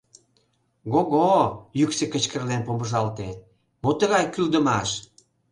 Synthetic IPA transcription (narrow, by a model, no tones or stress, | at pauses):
ɡoɣojyksekə̆t͡ɕkərlenpoməʒɑlt̪e | mot̪əɣɑjkyld̪əmɑʃ